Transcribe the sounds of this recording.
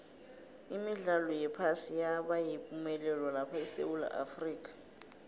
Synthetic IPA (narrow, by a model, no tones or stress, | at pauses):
imiɮalɔjɛpʰasijaɓajipʼumɛlɛlɔlapʰaisḛwula̰ʔa̰friːk̬ʼḁ